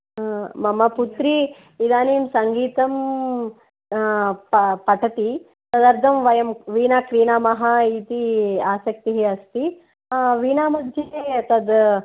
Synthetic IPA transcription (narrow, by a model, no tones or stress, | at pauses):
mɐmɐput̪ɾi | id̪aːniːmsɐŋɡiːt̪ɐm | ɐpɐʈʰɐt̪i | sɐd̪ɐɾd̪ʰʱɐmʋɐjɐmʋiːnaːkɾiːnaːmɐɦait̪iaːsɐk̚t̪iɦeɐst̪i | ʋiːnaːmɐd̪ʱjeɦeɐt̪ɐd̪